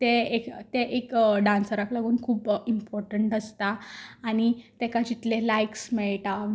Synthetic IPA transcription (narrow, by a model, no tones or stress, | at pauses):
t̪eekt̪eʔekɖãnsəɾaklaɡuːnkʰuːpimpɔɾʈəɳʈəst̪aːɽ̃it̪ekad͡ʑit̪lelajksmɛɭʈa